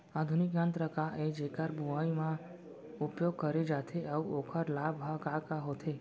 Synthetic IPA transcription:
ad̪ʱunikːãnt̪ɾəkaʔed͡ʒekaɾbuaimã | upjoɡ̚kəɾed͡ʒat̪ʰeauʔokʰəɾlabʱɦakakaɦot̪ʰe

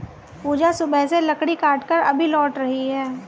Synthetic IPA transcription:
puːd͡ʒasʊbʱɛselɐkɽikaːʈkəɾɐbʱilɔːʈɾɐɦiɦɛː

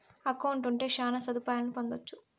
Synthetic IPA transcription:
ɐkɐwuɳʈuɳʈe̞ːʃaːnɐsɐd̪upaːjɐlɐnupond̪ot͡ʃːu

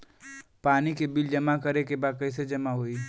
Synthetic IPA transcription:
paːnikebɪld͡ʒɐmakəɾekebaːd̪̚kəɪs̬ed͡ʒɐmaɦoiː

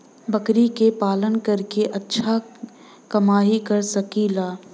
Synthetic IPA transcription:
bɐkɾikepaːlənkɐɾkeʔɐtːʃʰa | kɐmaːɦikɐɾsɐkiːlaː

